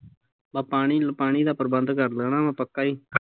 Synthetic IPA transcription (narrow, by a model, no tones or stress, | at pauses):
baːpaːɳiːlpaːɳ̃iːd̪aːpəɾbənd̪kəɾləːnãːmãːpəkːaːiː